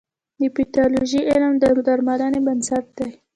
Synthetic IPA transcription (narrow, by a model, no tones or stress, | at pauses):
d̪əpiʈɑloʒiʔɪləmd̪əd̪aɾmalanebansat̪̚d̪aj